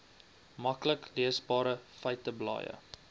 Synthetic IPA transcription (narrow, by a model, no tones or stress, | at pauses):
mɐkləkliəsbɑːɾəfəjtəblɑ̰ːjə̰